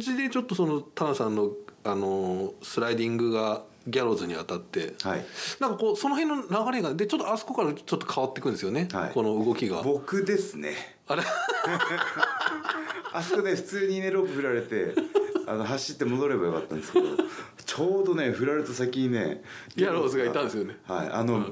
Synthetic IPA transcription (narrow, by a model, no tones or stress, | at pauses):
d͡ʑid̪e̞t͡ɕo̞t̪ːo̞so̞no̞t̪anasãnːo̞ano̞sɨɾaid̪ʲĩŋɡɯ̟ɡa | ɡʲaɾo̞zɨɲ̟iat̪at̪ːe̞ha̰ḭnãŋkakoːso̞no̞ɦẽ̞nːonaɡaɾekand̪e̞t͡ɕo̞t̪ːoasɨ̥ko̞kaɾat͡ɕo̞t̪ːo̞kʰaβat̪ːe̞kɯ̟nesɨjo̞ne̞ha̰ḭko̞no̞ɯ̟ɡo̞kʲiɡa̰bo̞kkɯ̟d̪e̞sɨnḛ | aɾe | askoneɸɯ̟̥t͡sɨːɲ̟ineɾopɯ̟ɸɯ̟ɾaɾe̞t̪e̞a̰noɦaɕːi̥t̪ːe̞mo̞d̪o̞ɾe̞bajo̞ka̰t̪ːã̰nd̪skd̪o | t͡ɕoːd̪o̞ne̞ɸɯ̟ɾaɾet̪osakʲine̞̰ɡʲaɾo̞ːzɨɡait̪ãnd̪esɨjone̞ha̰ḭa̰no